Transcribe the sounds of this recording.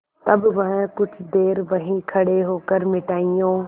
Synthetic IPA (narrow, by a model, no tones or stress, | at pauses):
t̪ɐbʋɐɦɛ̃kʊt͡ʃʰd̪eːɾʋɐɦĩkʰɐɽeɦoːkəɾmɪʈaːijõː